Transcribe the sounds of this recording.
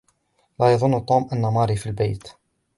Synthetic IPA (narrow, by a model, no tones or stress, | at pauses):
læjɑðˤʊnːt̪ˤumʔanːamɑɾifilbajt̪